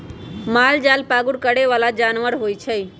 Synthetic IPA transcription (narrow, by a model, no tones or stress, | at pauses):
maːld͡ʒaːlpaːɡʊɽkəɽeʋaːlad͡ʒaːnʋəɽɦoːit͡ʃʰəi